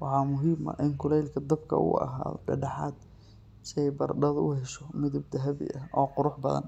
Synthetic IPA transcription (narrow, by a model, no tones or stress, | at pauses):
wɑħɑːmʊɦiːmɐ̰ʔɪŋkʰʊlɛjlkʰɐd̪ɐbkʰɐ̰ʊ̰ɐ̰ɦa̰ːðɔ̰ɖɐɖɑħɑ̰ːd̪ | sɛjbɐrɖɐðʊhɛʃɔmɪðɪb̚d̪ɐɦɐβɪ̰ʔɐʔɔːqʊɾʊħbɐðɐ̰n